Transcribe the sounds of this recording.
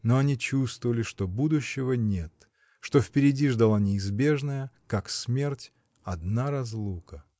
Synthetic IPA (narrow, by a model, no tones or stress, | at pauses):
no̞ɐnʲit͡ɕust̪vəvəlʲɪʂt̪o̞bud̪ʊɕːɪvənʲe̞t̪ | ʂt̪o̞fpʲɪɾʲɪdʲiʐd̪ɐlˠanʲɪːzbʲe̞ʐnəjəkaksmʲe̞rtʲ | ɐd̪naɾɐzlˠukə